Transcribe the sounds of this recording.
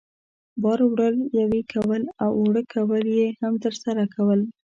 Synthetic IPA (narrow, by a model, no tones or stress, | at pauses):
bɑɾwɽəljawikʰawəlawoɽəkʰawəljehamt̪əɾsaɾakʰawəl